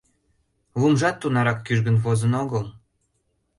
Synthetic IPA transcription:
βumʒɑt̪ːunɑɾɑkːyʒɡə̆nvozənoɣəlˠ

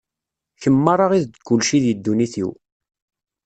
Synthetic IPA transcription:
çəmːəɾˤɑʁiðd̪kːʊlʃiðjəd̪ːuniθḭw

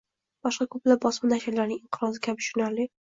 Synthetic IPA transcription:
b̥ɒʃqɑkʰɵplap̚bɒsmanaʃɪɾlaɾnɪŋɪɴqʰɨɾɒzɪkʲʰabɪʃʊnaɾlɪ

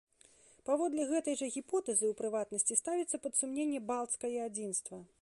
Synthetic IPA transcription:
pavɔd̪lʲɛɣɛt̪ɐjʐɐɣʲipɔt̪ɛzɨwpɾɨvat̪nɐsʲt͡sʲist̪avʲit̪sːɐpɐt̪sumnʲenʲːɛbalˠt̪skɐjɛad͡zʲinst̪vɐ

